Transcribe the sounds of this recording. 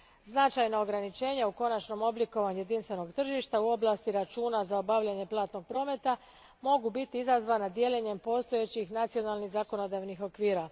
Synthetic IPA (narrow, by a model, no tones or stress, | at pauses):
znat͡ʃajnao̞ɡɾanit͡ʃe̞ːɲauko̞nat͡ʃno̞mo̞bliko̞ʋaɲuje̞d̪inst̪ʋe̞no̞ɡt̪r̩ʒiʃt̪auo̞blˠast̪iɾat͡ʃuːnazao̞baʋʎaɲe̞plˠaːt̪no̞ɡ̚pɾo̞ːme̞t̪a | mo̞ɡubit̪iizazʋaːnad̪je̞leɲe̞mpo̞ːst̪o̞je̞t͡ɕixnat̪sio̞nalˠniɣzako̞no̞d̪aʋnixo̞kʋiːɾa